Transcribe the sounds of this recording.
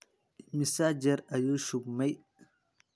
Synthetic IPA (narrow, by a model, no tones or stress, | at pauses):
misad͡ʒɐɾɐjuʃubmɐj